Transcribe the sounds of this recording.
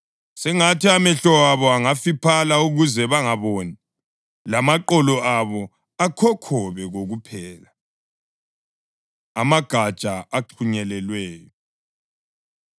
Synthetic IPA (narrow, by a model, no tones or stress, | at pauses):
sɛŋatiamɛɬɔwaβɔaŋafipʰalauɣuzɛβaŋaβoni | lamaǃɔlɔaβɔ | akʰɔkʰɔβɛɣoɣupʰɛːla | amaɡ̥ʱad̥t͡ʃʼaaǃʰuɲɛlɛlwɛːjɔ